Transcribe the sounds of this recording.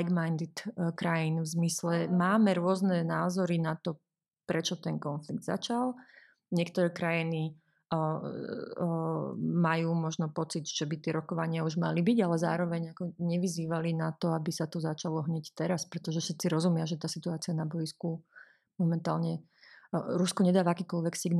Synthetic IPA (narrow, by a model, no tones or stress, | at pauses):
ɡmajnd̪it̪kɾajinvzmislɛmaːmɛɾʊɔznɛnaːzɔɾinat̪ɔ | pɾɛt͡ʃɔt̪ɛnkɔnfliɡ̚d̪za̰t͡ʃalˠ | ɲɪɛkt̪ɔɾɛːkɾajini | majuːmɔʒnɔpɔt͡sid̪ʒ̥ɛbit̪ɪɛɾɔkɔʋaɲɪauʒma̰libiɟalɛza̰ːɾɔʋɛɲakɔɲɛʋiziːʋalinat̪ɔabisat̪ɔzat͡ʃalɔɦɲɛct̪ɛɾaspɾɛt̪ɔʒɛfʃɛt̪t͡siɾɔzumɪaʒɛt̪aːsit̪uaːt͡sianabɔjisku | mɔmɛnt̪aːlɲɛ | ɾuskɔɲɛd̪aːʋaakiːkɔlʋɛksiɡn